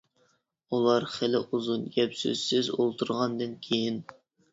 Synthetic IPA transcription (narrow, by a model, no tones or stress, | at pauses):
ulˠɑɾχɪlɪʔuzunɡʲɛpsø̰z̥sɪzolˠt̪ʰuɾʁɑnd̪ɨnkʲʰejin